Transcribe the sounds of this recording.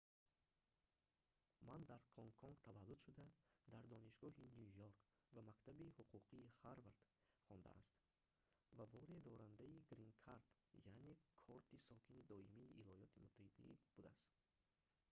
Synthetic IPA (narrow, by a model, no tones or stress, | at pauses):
mand̪aɾkʰɔŋkʰɔŋɡt̪ʰavalːud̪ʃud̪ad̪aɾd̪ɔniʃɡɔɦinjujoɾk | vamakt̪ʰabihuqʰuqʰiːχaɾvaɾd̪̥χɔnd̪a̰ʔa̰st̪ | vabɔɾed̪ɔɾand̪aiɡɾiŋkʰaɾt̪ | jane̞kʰɔɾt̪isɔkʰinid̪ɔimiːʔilɔjɔt̪ʰimut̪ʰːahid̪a̰ḭb̥ud̪aast̪